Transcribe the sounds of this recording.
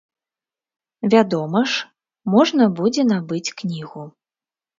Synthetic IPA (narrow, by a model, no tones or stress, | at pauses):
vʲad̪ɔmɐʂ | mɔʐnɐbud͡zʲɛnabɨt͡sʲknʲiɣu